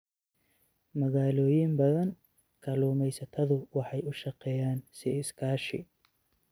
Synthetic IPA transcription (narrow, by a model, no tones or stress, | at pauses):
mɐɣaːlɔːjɪmbɐðɐŋ | kʰɐluːmɛjsɐt̪ʰɐðʊwɑħɑjʊʃɑqɛːjaːnsɪɪskʰaːʃɪ̰